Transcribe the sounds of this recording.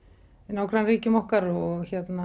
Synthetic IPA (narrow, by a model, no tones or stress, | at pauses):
naːwkɾanriːcɪmɔhkaɾɔɣçɛt̪na